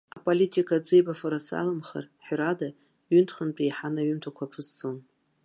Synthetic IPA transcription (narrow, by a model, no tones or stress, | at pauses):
apʼolitʰʼikʼad͡zejbafaɾasa̰lɨmχa̰rħrada | ɥʏntʰχənt͡pʼijħanaɥʏmtʷʰakʷʰapʰɨst͡sʼon